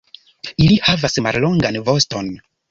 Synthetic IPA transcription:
ilihavasmallo̞ŋɡanvo̞sto̞n

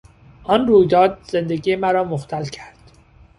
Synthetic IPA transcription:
ʔɒnruːjd̪ɒːd̪̚ze̞nd̪eɡiːjemæɾɒːmoxt̪ʰælcʰæɾd̪̥

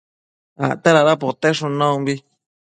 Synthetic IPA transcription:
a̰t̪eɾaɾapot̪eʂũnãũmbi

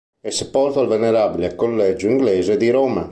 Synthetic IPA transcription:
ɛsepɔrt̪oalveneɾabilekolːɛd͡ʒuiŋɡlɛːzed̪iɾoːma

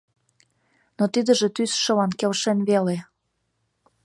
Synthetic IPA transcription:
not̪id̪ə̆ʒĕt̪ysʃə̆lɑnkelʃenβele

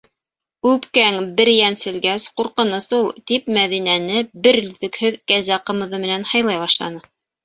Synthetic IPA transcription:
ʉpkæŋbɘɾjænsɘ̆lɡæsquɾqɤ̆nɤsulˠt̪ip̚mæðinænɘbɘɾlɵðɘ̆khɵðkæzæqɤ̆mɤ̆ðɤmɘ̆nænhɑjlˠɑjβɑʃlˠɑ̰nɤ

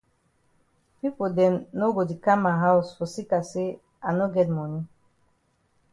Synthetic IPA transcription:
pipodɛ̃nːoɡodikãmaɦaʊsfɔsikase | ʔanoɡɛt̚mɔni

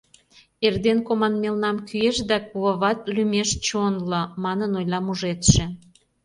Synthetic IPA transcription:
erd̪enkomɑnmelnɑmkyeʃd̪ækuβəβɑt̪lymeʃt͡ɕonlŏmɑnənojlɑmuʒet̪ʃĕ

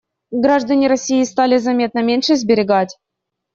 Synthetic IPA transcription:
ɡɾaʐd̪ɐnʲiɾɐsʲːijist̪alʲɪzɐmʲet̪̚nəmʲenʲʂəzʲbʲɪɾʲɪɡatʲ

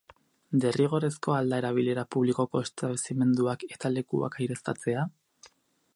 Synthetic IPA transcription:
d̪e̞riɣ̞o̞ɾe̞sko̞ald̪ae̞ɾaβ̞ile̞ɾapuβliko̞ko̞est̪aβesime̞nd̪uake̞̥t̪ale̞kua̰kajɾe̞st̪at͡se̞a

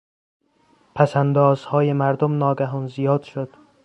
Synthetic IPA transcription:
pʰæsænd̪ɒːz̥hɒːjemæɾd̪omnɒːɡæɦɒːnzijɒːd̪̥ʃod̪̥

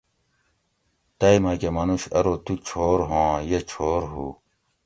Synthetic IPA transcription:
t̪ɐimakemɐnuɕɐɾot̪ut͡ɕʰoːɾɦõːjet͡ɕʰoːɾɦṵː

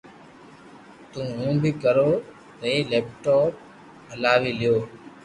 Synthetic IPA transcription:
t̪ũːɦũːbʱiːkəɾoː | ɾeːleːp̚ʈoːp̚ | əlaːʋiːlɪjoː

